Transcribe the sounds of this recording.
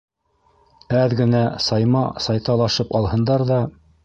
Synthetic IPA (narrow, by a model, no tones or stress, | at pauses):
æðɡɘ̆næsɑjmɑsɑjt̪ɑlˠɑʃɤpɑlˠhɤ̆nd̪ɑɾðɑ